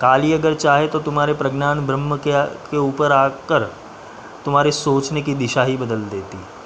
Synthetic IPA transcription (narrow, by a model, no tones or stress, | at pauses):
kaːliːəɡəɾt͡ʃaɦet̪ot̪um̤aːɾepɾəɡnaːnbʱɾəmːəkekeuːpəɾakəɾ | t̪um̤aːɾesoːt͡ʃnekiːd̪ɪʃaɦiːbəd̪əld̪eːt̪iː